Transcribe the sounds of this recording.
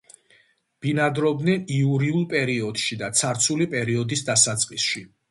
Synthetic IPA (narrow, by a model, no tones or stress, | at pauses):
b̥inad̪ɾɔbd̪nɛniuɾiulˠpʼɛɾiɔd̪̥ʃid̪at̪sʰaɾt̪sʰulipʼɛɾiɔd̪isd̪asat̪sʼqʼisʃi